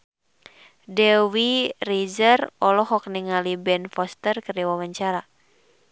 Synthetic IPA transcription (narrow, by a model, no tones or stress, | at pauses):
dɛwirid͡ʒərɔlɔɦɔk̚niŋalibɛnfɔst̪ərkəriwawaɲt͡ʃaɾa